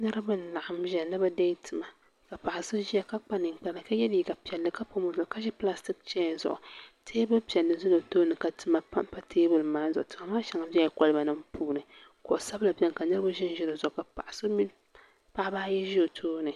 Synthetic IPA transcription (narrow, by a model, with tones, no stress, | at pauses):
nɨ˦ɾɨ˦bɨ˦n̩˦la˨ʔa˨mʒɛ˨nɨ˦ba˦da˦tʰɨ˨ma˨ | ka˨pa˨ʔa˨so˦ʒi˦ja˨ka˦k͡pa˦nɨ˨ŋ˨k͡pɛ˦la˨ka˦jɛ˦liː˦ka˨pi˨ɛ˨lːɨ˨ka˦po˦mo˦zʊ˨ʊ˨ka˦ʒɛ˦pla˦sti˦k̚t͡ʃɛ˦˨zʊ̰˨ʔʊ˨tʰeː˦bɨ˦pi˨ɛ˨lːɨ˨zʊ˦lo˨toː˦nɨ˨ka˨tɨ˦ma˦pa˦m˦pa˦tʰeː˦bɨ˨lɨ˨maː˦zʊ˨ʔʊ˨tɨ˨ma˨maː˦ʃa˨ŋa˨bɛ˦˨kɔ˦lɨ˦ba˨nɨ˦mpuː˦nɨ˨ | ko˨ʔsa˦bla˨bʲɛ˦nka˨nɨ˦ɾɨ˦ba˦ʒɪ˦n˦ʒɪ˦ɾɨ˨zʊ˨ʔʊ˨ka˨pa˨ʔa˨so˦mi˦ | pa˦a˦baː˦jɛ˦ʒi˦o˨tʰoː˦nɨ˨